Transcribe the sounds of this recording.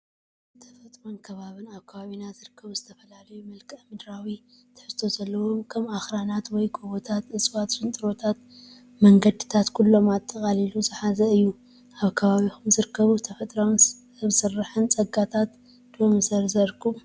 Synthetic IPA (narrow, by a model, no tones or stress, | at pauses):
t̪ʰɐfɐt̪ʼɾo̞mkʰɐβaβɨnaβkʰɐβaβinazɨɾɨkʰːɐβuzɨt̪ʰɐfɐlalɐjumɐlkʼɐmɨd̪ɾawi | t̪ʰɨ̥ħɨst̪ʰo̞zɐlːɐwo̞kʰɐmaxɾanat̪wɔjɡʰoβot̪ʰat̪ɨsʼwat̪ʃɨnt̪ʼɨɾo̞t̪ʰat̪ | mɐŋɡɐd̪ɨt̪ʰat̪kʰulːo̞mat̪ʰʼːɐkʼaliluzɨħazɐɨjːu | ʔaβkʰɐβaβixumzɨɾɨkʰːɐβut̪ʰɐfɐt̪ʼɾom | βsɨrːɨħɨnt͡sʼɐɡat̪ʰat̪ | d̪̥omɨsɐɾzɐɾkʰu